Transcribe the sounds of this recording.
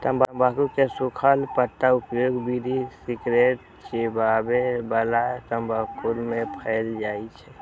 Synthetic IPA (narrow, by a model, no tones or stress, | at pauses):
t̪əmbəmbakuɾkesʊkʰəlpət̪ːaʊpjoːɡbiɾisikɾeːʈ̚ | t͡ʃebaːbebəlat̪əmbaːkulmẽpʰəɪld͡ʒaːit͡ʃʰɛ